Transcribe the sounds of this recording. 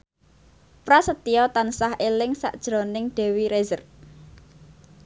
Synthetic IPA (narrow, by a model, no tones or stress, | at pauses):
pɾasət̪iɔt̪ansahʔelɪŋsa̰ʔd̥ʒ̥ɾonɪŋɖ̪̥ɛ̤wiɾezər